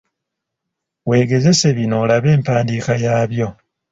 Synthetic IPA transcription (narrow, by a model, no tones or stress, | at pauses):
we̞ːɡe̞ze̞se̞βino̞laβe̞ːmpaːndiːkajaːβjo̞